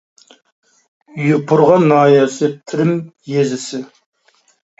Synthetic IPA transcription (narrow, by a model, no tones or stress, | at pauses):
jupʰʊɾʁɑnːɑːjɑsɨt̪ʰɪɾɪmjezɪsɪ